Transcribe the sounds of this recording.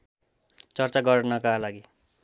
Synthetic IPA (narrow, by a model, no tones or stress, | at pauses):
t͡sʌrt͡saɡʌrnʌkalaɡi